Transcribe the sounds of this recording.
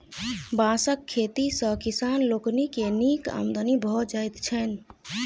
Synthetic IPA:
bãsəkʰːet̪isə̃kisanloknikenika̰md̪ənibʱɔd͡ʒajt̪t͡ʃʰɛn

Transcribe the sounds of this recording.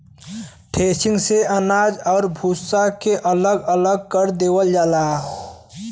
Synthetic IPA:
ʈʰeːsɪ̃ŋɡseənaːd͡ʒɔːɾbʱuːsakeʔələɡələɡ̚kəɾd̪eːwəld͡ʒaːlaː

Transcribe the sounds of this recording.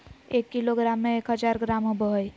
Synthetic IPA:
eːkːɪloɡɾaːmːẽeːkɦəd͡ʒaːɾɡɾaːmɦobəɦəj

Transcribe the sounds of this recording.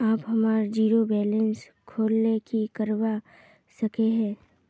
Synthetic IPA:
aːpɦɐmaːɾd͡ʒiːɾobɛːlə̃ns | kʰoːlnekikɐɾʋa | sɐkeɦɛ̃ː

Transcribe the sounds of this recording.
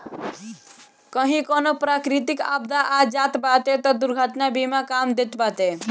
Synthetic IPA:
kəɦĩkonopɾakɾit̪ikab̚d̪aʔad͡ʒat̪bat̪et̪ɔd̪uɾɡʱəʈnabimakamd̪et̪bat̪e

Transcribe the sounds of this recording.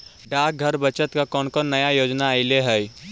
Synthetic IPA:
ɖaːk̚ɡʱɐɾbət͡ʃət̪kakɔːnkɔnnːɐjajoːd͡ʒnaːɪileɦɛ

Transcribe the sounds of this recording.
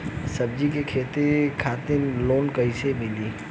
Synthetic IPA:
sɐb̚d͡ʒikekʰeːt̪ekʰaːt̪ɪmloːnkɐisemɪliː

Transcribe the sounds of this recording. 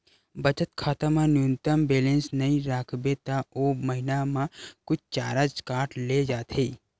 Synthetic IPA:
bət͡ʃət̪kʰaːt̪amãnjunt̪əmbeːlẽnsnəɦĩɾaːkʰbet̪aoməɦinamãkʊt͡ʃʰt͡ʃaːɾad͡ʒkaːʈled͡ʒaːt̪ʰe

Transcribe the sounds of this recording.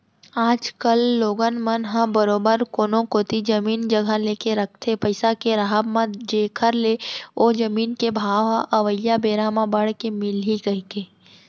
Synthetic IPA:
aːd͡ʒkəlːoːɡənmənɦãbəɾoːbəɾkoːnõkoːt̪id͡ʒɐmiːnd͡ʒəɡʱaleːkeɾək̚ʰt̪ʰepəɪsakeɾaɦəbmãd͡ʒeːkʰəɾleod͡ʒəmiːnkebʱaːʋɦãʔɐʋəjabeːɾaːmãbəɽkemɪlɦiɡɐɦikeː

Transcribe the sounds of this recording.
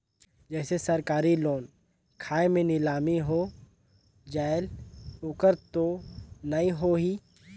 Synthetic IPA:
d͡ʒɛːsesɐɾkaːɾiloːn | kʰaːemẽnɪlaːmiɦoː | d͡ʒaːɪlʊkəɾt̪onɐĩɦoɦiː

